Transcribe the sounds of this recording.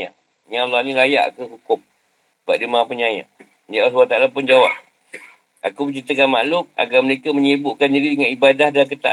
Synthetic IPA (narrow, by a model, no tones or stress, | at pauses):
a | ɲalanĩlaja̰ʔkəhukʊm | ba̰ʔdəmaapəɲaja̰ʔ | d͡ʒaʔasuaht̪aʔalapʊnd͡ʒawap̚ | ʔakubət͡ʃit̪əkanma̰ʔlʊk̚a̰ɡamənekəməɲəbʊʔkandididəŋanibadahdalk̬ət̪a̰ʔ